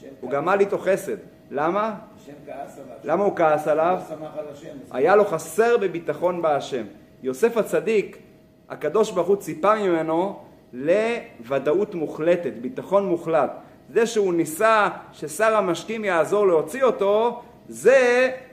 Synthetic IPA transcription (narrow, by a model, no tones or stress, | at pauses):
uɡamalit̪o̞χe̞se̞t̪ | lama | lamaukaasalav | a̰jalo̞χase̞ʁbebit̪aχo̞nbeaʃe̞m | jo̞se̞fat͡sadik | ha̰kad̪o̞ʃbaʁχut͡sipamimeno̞ | levadautmuχle̞tetbit̪aχo̞nmuχlat | zeʃeunisaʃe̞saʁhamaʃkimjaːzo̞ʁleo̞t͡sio̞to̞ | ze